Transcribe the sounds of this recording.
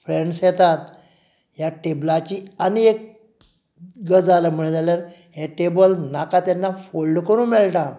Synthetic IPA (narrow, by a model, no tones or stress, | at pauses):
fɾeɳɖsjet̪at̪ | jaʈeblat͡ɕiːaniek̚ | ɡəd͡zaləm̤əɭd͡zaljaɾ | ɦeʈebəlnakat̪janːafolɖkəɾũːnmeɭʈa